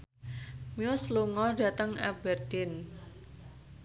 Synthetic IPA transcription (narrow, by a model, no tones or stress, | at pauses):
miʊsluŋɔda̤t̪əŋɛ̰bɛrd̪ɪn